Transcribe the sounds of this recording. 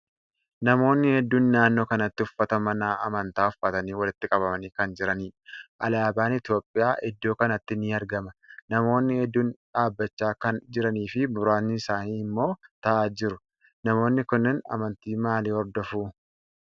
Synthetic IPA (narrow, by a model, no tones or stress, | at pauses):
nɐmo̞ːnːɪhɛd̪ːuːnːaːnːoːkɐnɐt̪ːɪʊfːɐt̪ɐmɐnaːʔɐ̰mɐnt̪aːʊfɐt̪ɐniːwɐlɪt̪ːɪkʼɐβɐmɐniːkɐnd͡ʒɪɾɐniːʔɐlaːbaːnɪt̪jo̞ːpʼːɪjaːʔɪd̪ːo̞ːkɐnɐt̪ːɪniːɐɾɡɐmɐnɐmo̞ːnːɪhɛd̪ːuːnᶑaːbːɐt͡ʃːaːkɐnd͡ʒɪɾɐniːfɪbʊɾaːnːɪɪsaːniːɪmːo̞ːt̪ɐʔaːd͡ʒɪɾʊ | nɐmo̞ːnːɪkʊnːɪnɐ̰mɐnt̪iːmaːliːhɔɾd̪ɔfuː